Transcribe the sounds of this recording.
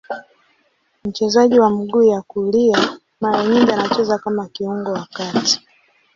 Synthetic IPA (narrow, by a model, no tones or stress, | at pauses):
m̩t͡ʃɛzaʄiwam̩ɡuːjakulia | maɾaɲiŋdianat͡ʃɛzakamakiuŋɡɔwakati̥